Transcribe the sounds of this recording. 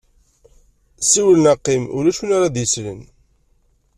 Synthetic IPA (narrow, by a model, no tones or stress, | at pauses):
siwlənɑqːimʊ̰ɾæʃunaɾad̪jəsɾə̰n